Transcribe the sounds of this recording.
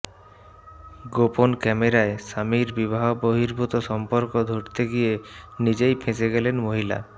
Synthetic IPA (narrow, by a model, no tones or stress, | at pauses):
ɡoponkɛmeɾaesamiɾbibaɦoboɦiɾbut̪oʃɔmpoɾkod̪ʱoʈt̪eɡijenid͡ʑejpʰẽseɡelenmoɦila̰